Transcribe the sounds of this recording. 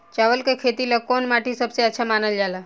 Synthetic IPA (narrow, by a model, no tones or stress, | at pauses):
t͡ʃaʋəlkekʰet̪ilakoːnmaʈisəbseətːʃʰamaːnəld͡ʒala